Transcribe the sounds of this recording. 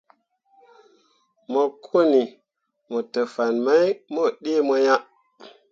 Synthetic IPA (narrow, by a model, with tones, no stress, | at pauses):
mo˨kʰu˦ni˨ | mo˨tə˨fa˨nma˦jmo˦˨ɗi˦mo˧ja˦ʔ